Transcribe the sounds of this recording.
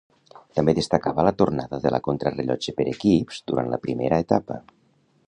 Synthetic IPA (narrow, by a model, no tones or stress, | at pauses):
t̪əmbeðest̪akaβələt̪ornaðəðələ̰kont̪ɾəreʎɔ̰d͡ʒepeɾekipz̥d̪uɾʔanlə̰pɾimeɾəet̪apə